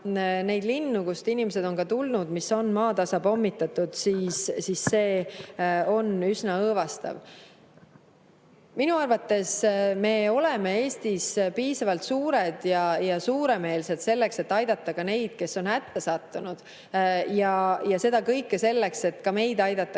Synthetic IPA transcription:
ne̞jd̪linːukust̪inimese̞d̪̥o̞nkɑt̪ulnud̪̥miso̞nmɑːt̪ɑsɑbo̞mːit̪ːˑɑt̪ːˑud̪̥siːssiːsːe̞ː | o̞nysnɑɤːvɑst̪ɑ̰v | minuɑrvɑt̪ːe̞sme̞ːo̞le̞mee̞ːst̪ispiːsɑvɑlt̪suːɾe̞d̪̥jɑjɑsuːɾe̞me̞ːlse̞d̪̥se̞lːe̞kse̞t̪ːɑjd̪̥ɑt̪ːˑɑkɑne̞jd̪̥ke̞sːo̞nhæt̪ːesɑt̪ːunud̪̥ | jɑjɑse̞d̪̥ɑkɤjkːese̞lːe̞kse̞t̪ːkɑme̞jd̪ɑjd̪̥ɑt̪ːˑɑ

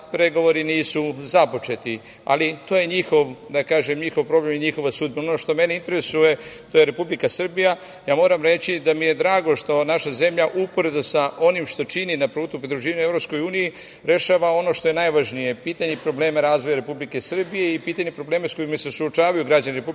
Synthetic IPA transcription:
pɾe̞ɡo̞ʋo̞ɾiniːsuzapo̞t͡ʃe̞t̪i | a̰lit̪o̞ːje̞ɲixo̞ʋd̪akaːʒemɲixoʋpɾo̞ble̞mjeɲixo̞ʋasuːd̪̚benonoʃt̪o̞me̞neint̪e̞ɾesuje̞t̪o̞je̞ɾe̞publikasr̩bija | jaːmo̞ːɾamɾe̞t͡ɕid̪amije̞d̪ɾaːɡo̞ʃt̪o̞naʃaze̞mʎaʔupo̞ɾe̞d̪usaʔo̞nimʃt̪o̞t͡ʃininapɾuːt̪upɾid̪ɾuʒiːʋaɲuevɾo̞psko̞juːniji | ɾe̞ʃaːʋao̞no̞ʃt̪o̞je̞najʋaʒnije̞piːt̪aɲe̞pɾo̞ble̞ːmaɾaːzʋo̞jaɾe̞publike̞sr̩bije̞ipiːt̪aɲepɾobleːmasko̞imasesuot͡ʃaːʋajuɡɾad͡ʑaniɾepu

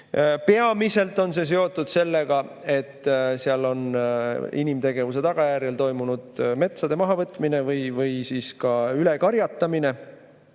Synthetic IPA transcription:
pe̞ɑmise̞lt̪ːˑo̞nse̞s̬e̞o̞t̪ːˑud̪̥se̞lːeɡ̥ɑ | e̞t̪ːseɑlːo̞n | inimt̪e̞ɡe̞vuse̞t̪ɑɡ̥ɑjæːɾjelt̪o̞jmunud̪̥me̞t̪sɑd̪̥e̞mɑɦɑvɤt̪ːˑmine̞vɯjvɯjsiːskɑyle̞kɑɾjɑt̪ːɑmine̞

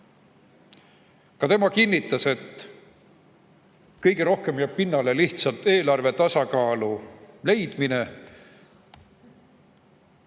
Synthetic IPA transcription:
kɑt̪e̞mɑkinʲːit̪ːˑɑse̞t̪ | kɤjɡe̞ɾo̞hke̞mjæːb̥̚pinːɑle̞liht̪sɑlt̪e̞ːlɑrve̞t̪ɑsɑkɑːlule̞jd̪̥mine̞

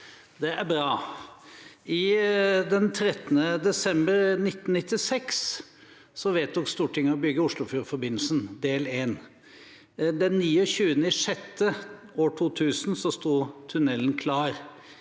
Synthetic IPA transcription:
d̪ɛæɾbɾɑː | ɪd̪ɛnt̪ʰɾɛt̪nəd̪ɛsɛmbəɾnɪt̪ːn̩nɪt̪ːɪsɛks | sɔʋeːt̪̚d̪ʊkst̪uːʈʰɪŋːəɔbʏɡːəʊʂlʊfyːɾəfɔɾbɪnːl̩sənd̪eːleːn | d̪ɛnːiːɔçʉːənɪʂɛt̪ːəoːʈʰuːt̪ʰʉːsnsɔst̪uːt̪ʰʉnɛlnkʰlɑːɾ

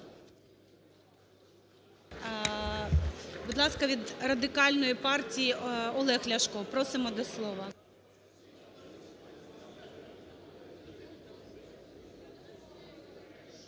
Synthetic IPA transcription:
bud̪lˠɑskɐʋʲid̪rɐd̪ɪkɑlʲnɔjipɑrtʲijiɔlˠɛxlʲɐʃkɔpɾɔsɪmɔd̪ɔslˠɔʋɐ

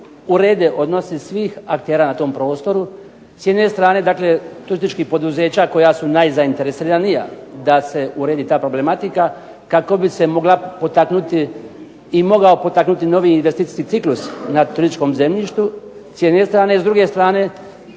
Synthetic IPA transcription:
uɾe̞ːd̪eʔo̞d̪no̞sisʋiːxak̚t̪e̞ːɾanat̪o̞ːmpɾo̞ːst̪o̞ɾu | sje̞d̪ne̞st̪ɾaːne̞d̪akle̞t̪uɾist̪it͡ʃkixpo̞d̪uze̞ːt͡ɕako̞jasunajzaint̪e̞ɾesiɾanija̰d̪ase̞uɾe̞ːd̪it̪aːpɾo̞ble̞mat̪ika | kako̞bise̞mo̞ɡlapo̞t̪aknut̪iː | mo̞ɡao̞po̞t̪aknut̪ino̞ʋiːnʋe̞st̪iːt̪i̥skit̪iklusnat̪uɾisit͡ʃko̞mze̞mʎiʃt̪usjed̪ne̞st̪ɾaːne̞izd̪ɾuɡe̞st̪ɾaːne̞

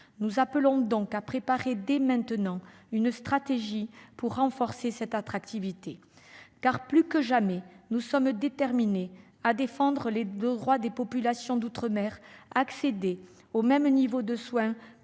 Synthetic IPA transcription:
nuzapəlɔ̃d̪ɔ̃kapχepaʁed̪ɛmɛ̃t̪ənɑ̃ynst̪χat̪eʒipuʁːɑ̃fɔʁsesɛt̪at̪χak̚t̪ivit̪e | kaʁplykəʒamɛnusɔmd̪et̪ɛʁmine | ad̪efɑ̃d̪ʁəled̪d̪ʁwad̪epɔpylasjɔ̃d̪ut̪χəmɛʁːksed̪e | omɛmnivod̪əswɛ̃

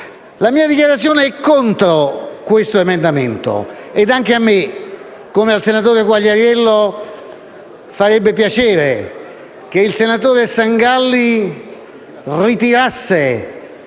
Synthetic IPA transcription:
lamiːad̪ikjaɾat̪sːjoːneɛkːont̪ɾokwest̪oemend̪ament̪o̰ed̪aŋk̟eamːe | kːomealsenat̪̬oːɾeɡwaʎːeɾjɛlːo | faɾɛbːepjat͡ʃɛːɾe | k̟eilsenat̪oːɾesaŋɡalːi | rit̪iɾasːe

